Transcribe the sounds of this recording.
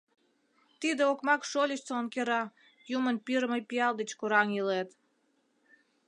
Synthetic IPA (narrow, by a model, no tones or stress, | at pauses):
t̪id̪eokmɑkʃolʲəɕt͡soonkeɾɑ | jumənpiɾməjpiɑld̪et͡ɕkuɾɑŋjilet̪